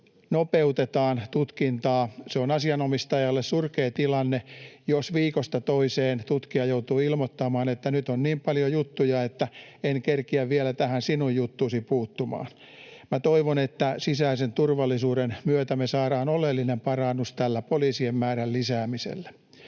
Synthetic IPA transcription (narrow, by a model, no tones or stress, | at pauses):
nopeut̪et̪ɑːnt̪ut̪kint̪ɑːseonɑsiɑnomist̪ɑjɑlːessurkeːt̪ilɑnːejosʋiːkost̪ɑt̪oiseːnt̪ut̪kiɑjout̪uːilmot̪ːɑmɑːnet̪ːænyt̪onniːmpɑljojut̪ːujɑet̪ːæenkerkiæʋʋielæt̪æhænsinujjut̪ːusipuːt̪ːumɑ̰ːn | mæt̪oiʋonet̪ːæsisæisent̪urʋɑlːisuːɾenmyøt̪æmesɑːɾɑːnolelːinempɑrɑnːust̪ælːæpoliːsiemːæːɾællisæːmisḛlːæ̥